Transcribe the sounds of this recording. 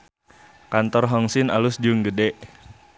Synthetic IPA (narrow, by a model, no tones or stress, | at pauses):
kant̪ɔrɦɔŋsɪna̰lʊsd͡ʒʊŋɡədɛʔ